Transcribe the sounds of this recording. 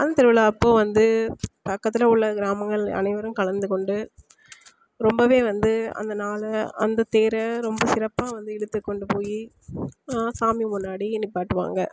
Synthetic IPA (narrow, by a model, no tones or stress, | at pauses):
ʔɐnd̪ɐt̪ɛɾʋɪlaɐpːoːʋɐnd̪ɯpɐkːɐt̪ːɪlɐʊɭːɐɡɪɾaːmɐŋɡɐɭɐ̰nɐɪʋɐɾɯ̃mkɐlɐnd̪ɯkɔɳɖɯ | ɾɔmbɐʋeːʋɐnd̪ɯɐ̰nd̪ɐnaːlɐɐ̰nd̪ɐt̪eːɾɐɾɔmbɐsɪɾɐpːaːʋɐnd̪ɯɛɽɯt̪ːɯkːɔɳɖɯpoːji | saːmimʊnːaːɽiɛnːɪpːaːʈːɯʋa̰ːŋɡɐ